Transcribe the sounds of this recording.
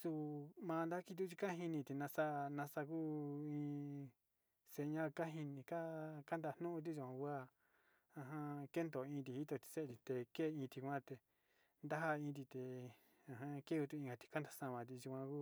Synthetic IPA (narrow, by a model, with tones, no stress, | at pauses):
su˧mã˧nd̪a˦ki˧t̪u˦t͡ʃi˧ka˦ɦi˧nĩ˧t̪i˧nã˧sa˦˧nã˧sa˧ku˦ĩ˧ | se˧ɲã˦˧ka˦ɦi˧nĩ˧ka˦ka˦nd̪a˧nũ˦ʔũ˧t̪̬i˦ʒu˧kʷã˧wʷa˦˨ | ã˧ɦã˦ke˦nd̪o˨ĩː˧t̪̬i˧hi˦t̪o˧t̪i̥˧se˦e˨˧t̪i˧t̪e˧ke˦˧˨ĩː˧t̪i˧kʷã˦t̪e˧ | nd̪a˦ɦa˧ĩː˧t̪̬i˧t̪e˨ | ã˧ɦã˦ke˦ku˧t̪u˧ĩ˧ɡa˧t̪i̥˧ka˦nd̪a˧sã˧˨mã˨˧t̪̬i˧ʒu˧kʷã˧ku˦˧